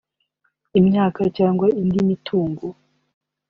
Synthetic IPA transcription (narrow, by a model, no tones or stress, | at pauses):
imɲaːkacaːŋɡwaindimitʰuːŋɡo